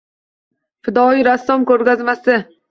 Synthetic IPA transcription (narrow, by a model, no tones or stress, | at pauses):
fɪd̪ɒiɾasːɒmkɵɾɡʲazmasɪ